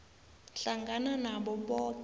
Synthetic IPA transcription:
ɬaŋɡananaɓɔɓɔt

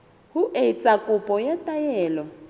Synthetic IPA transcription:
hʊʔeit͡sʼakʼʊpʼɔjɛtʼajɛːlɔ

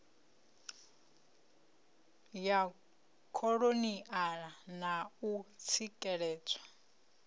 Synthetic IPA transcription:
ja | kʰɔɺoniʔaɺanaut͡sʰikʼɛɺɛːt͡sʰʼḁ

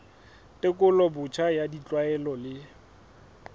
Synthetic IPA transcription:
tʼɪkʼʊlɔbʊt͡ʃʰajadit͡ɬʼwaɛlɔlɪ

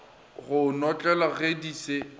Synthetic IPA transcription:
ɣʊnɔt͡ɬʼɛlaɣediːse

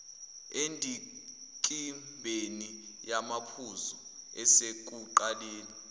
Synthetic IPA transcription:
endʱi | kʼimbʱeni | jamapʰuzɔ | ɛsek̬ʼuǃaleːni

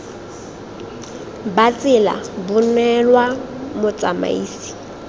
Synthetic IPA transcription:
bat͡sʼɪla̰bʊnɛlwa | mʊt͡sʼama̰iːsi̥

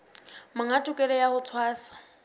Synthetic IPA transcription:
maŋatʼʊkʼɛlɛjahʊt͡sʰwaːsḁ

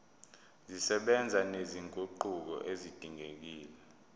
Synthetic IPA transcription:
zisɛɓɛnd͡zʱaneziŋɡʱʼuǃuk̬ɔ̰ʔezid̥ʱiŋek̬iːlɛ

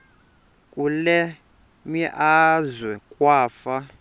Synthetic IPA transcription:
kʼulɛ | miʔazwɛkʼwaːfa

